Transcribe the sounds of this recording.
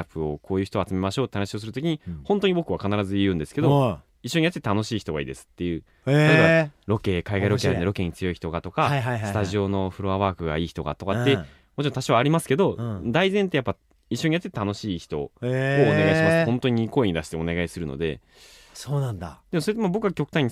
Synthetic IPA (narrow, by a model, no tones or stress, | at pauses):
apɯ̟okʰo̞ːjɯ̟çi̥t̪oat͡sɨme̞maɕo̞ːt̪ːe̞hanaɕio̞s̬ɨɾɯt̪o̞kʲiɲ̟ihõnt̪o̞ɲ̟ibo̞kɯ̟βakanaɾazɨijɯ̟̃ːnd̪e̞sɨ̥ke̞d̪o̞ | iɕːo̞ɲiat̪etet̪ano̞ɕiːçi̥t̪o̞ɡa̰ḭːd̪e̞sɨ̥t̪ːe̞jɯ̟ː | aabaɾo̞ke̞ːkaiɡaiɾo̞eand̪eo̞ke̞ːɲ̟it͡sɨjo̞içi̥t̪o̞ɡat̪o̞kaaɦasɨt̪aʑio̞no̞ɸɯ̟ɾoβaβaːkɯ̟ɡa̰iːçi̥t̪o̞ɡa̰t̪o̞kat̪ːe̞ | mo̞t͡ɕiɾõt̪aɕoβaːɾʲimasɨ̥ke̞d̪o̞d̪aizẽnt̪ejapːa | iɕːo̞ɲ̟ijat̪ːet̪et̪ʰːano̞ɕiːçi̥t̪o̞̰oːneɡaiɕimasɨhõ̞nt̪o̞ɲ̟iko̞eɲid̪aɕi̥t̪e̞o̞ne̞ɡaisɨɾɯ̟no̰d̪e̞̰ | soːnãnd̪ad̪̥e̞mosoet̪emabo̞kɯɡakʲo̞kɯ̟̥t̪ãiɲ̟ːi